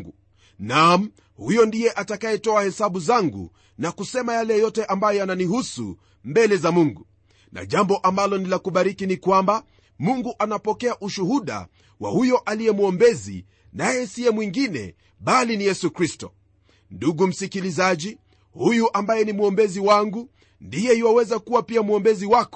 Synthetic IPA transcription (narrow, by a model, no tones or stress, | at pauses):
ɡu | nam̩ | hujɔndijɛʔatakajɛtɔahɛsaɓuzaŋɡṵ | nakusɛmajalɛjɔtɛʔambajɔananihusṵ | mbɛlɛzamuŋɡu | na̰ʄambɔʔambalɔnilakuɓaɾikinikwamba | muŋɡuʔanapɔkɛaʔuʃuhuɗa̰ | wa̰hujɔʔalijɛmuɔmbɛzḭ | najɛsiɛmwiŋɡinɛ̰ | ɓalinijɛsukɾistɔ | nduɡum̩sikilizaʄi | hujuʔambajɛnimuɔmbɛziwaŋɡu | ndijɛhiwawɛzakuwapiamuɔmbɛziwakɔ̥